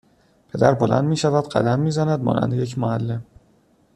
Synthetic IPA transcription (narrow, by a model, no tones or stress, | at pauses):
pʰed̪æɾbolæ̰nd̪miːʃævæd̪ɢæ̰d̪æmːiːzænæd̪̚mɒ̰ːnʔæ̰nd̪ejecʰmoælːem